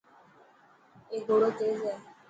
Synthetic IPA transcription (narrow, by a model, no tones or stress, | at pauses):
eːɡʱoːɽoːt̪eːzɛː